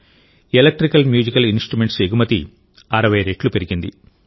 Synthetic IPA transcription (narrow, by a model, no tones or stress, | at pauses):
elek̚ʈɾikɐlmjuːd͡ʒikɐlinsʈɾume̞ɳʈseɡumɐt̪i | ɐɾɐʋɐjɾeːʈlupe̞ɾiɡind̪i